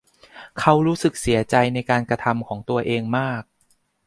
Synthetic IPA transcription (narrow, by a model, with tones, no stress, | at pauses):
kʰa˦˥wɾuː˦˥sɯ˨˩k̚si˩˦ɐt͡ɕa˧jna˧jkaː˧nkɾa˧t̪ʰa˧mkʰɔː˩˦ŋt̪u˧ɐʔeː˧ŋmaː˥˩k̚